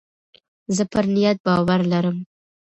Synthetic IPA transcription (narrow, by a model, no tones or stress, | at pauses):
zəpəɾnijat̪̚bɑwaɾlaɾəm